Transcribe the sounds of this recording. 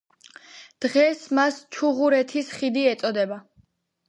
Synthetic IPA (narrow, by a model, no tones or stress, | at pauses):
d̪̥ʁɛsmast͡ʃʰuʁuɾɛt̪ʰisχid̪iɛt̪sʼɔd̪ɛba